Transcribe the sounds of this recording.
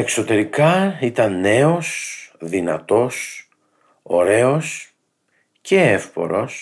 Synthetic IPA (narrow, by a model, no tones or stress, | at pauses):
e̞kso̞t̪e̞ɾikɐit̪ɐnːe̞o̞sðinɐt̪o̞s | o̞ɾe̞o̞s | ce̞efpo̞̰ɾo̞s